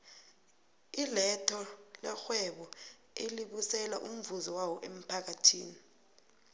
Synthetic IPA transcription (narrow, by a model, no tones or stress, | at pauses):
ilɛtʰɔlɛxwɛɓɔ | eliɓusɛlaʔum̩vuzɔwawɔʔem̩pʰak̬atʰiːni